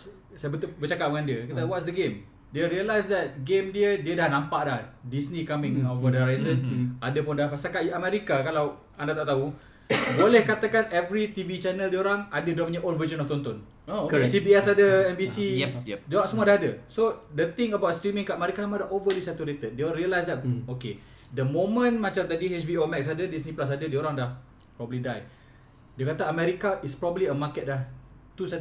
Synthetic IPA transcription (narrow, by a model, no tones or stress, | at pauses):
sabət̪ʊlbət͡ʃakaʔ̚bəŋãndiəkit̪awɔtsdəɡem | diəɾiəlajsdɛt̪̚ɡemdiədiədahnãmpaʔlahdisnikamɪ̃ŋɔfɔdəɾajzənadəpʊndahpasakaʔamɛɾikakalaw | andat̪aʔt̪au | bolɛhkat̪akanɛvɾit̪ivit͡ʃɛnəldiəoɾaŋadədamɲəʔolvəd͡ʒənɔft̪ɔnt̪ɔn | okɛsibiɛsadəɛmbisiɛɛdasəmuadahadəsodət̪ĩŋəbawt̚stɾimĩŋkaʔmɛɾikaamadaʔovədisɛt̪uɾet̪ət̚deɔlɾiəlajsdɛtoke | dəmõmə̃nmat͡ʃamt̪adiɦet͡ʃbiɔmɛk̚sadədisnĩplas̬adədioɾaŋdah | pɾɔbəblidaj | diəkat̪aəmɛɾikaʔispɾɔbəbliəmakɛt̚lah | t̪usad